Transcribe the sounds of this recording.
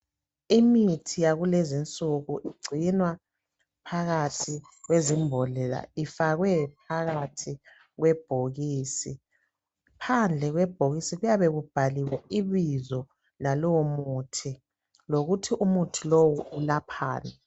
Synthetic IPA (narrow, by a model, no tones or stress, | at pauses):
imitʰijaɣulezint͡sʼuɣuʔiɡ͡ǀʱinwa | pʰaɣatʰi | ɣwezimbʱɔlɛla̰ifaɣwɛpʰaɣatʰi | ɣwɛb̥ʱoɣiːsi | pʰand͡ɮʱɛɣwɛb̥ʱoɣisiɣujaβɛɣub̥ʱaliwɛiβizɔ | lalɔwomutʰi | loɣutʰiʔumutʰilowuulapʰa̰ːna